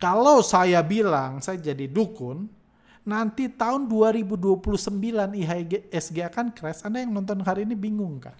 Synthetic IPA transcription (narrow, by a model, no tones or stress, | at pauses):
kalawsajabilaŋsajad͡ʒadidukʊnː | ant̪it̪aʊnduaɾibuduapuluhsəmbilaniɦaiɡɛsɡeakankɾɛsadajaŋnɔnt̪̬ɔnɦaɾiːnibiŋʊŋka̰h